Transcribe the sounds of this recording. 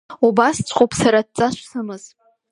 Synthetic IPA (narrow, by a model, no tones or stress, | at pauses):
ubast͡sʷʰʼχopʰʼsaɾad̚t͡sʼaʃʷsɨmɨz